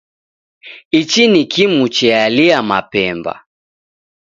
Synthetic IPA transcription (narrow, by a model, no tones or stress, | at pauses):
it͡ʃinikimut͡ʃɛaliama̰pɛmba̰